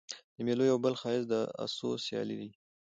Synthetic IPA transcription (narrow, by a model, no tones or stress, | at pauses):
d̪əmelojawbəlxɑɪzd̪əa̰sosjɑ̰lḭd̪i